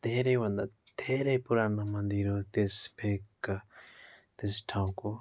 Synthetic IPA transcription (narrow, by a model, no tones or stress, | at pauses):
d̪eːɾeʋɐ̃nd̪a | d̪̥eːɾepuɾanamɐ̃nd̪iɾot̪esbek | t̪esʈʰãũko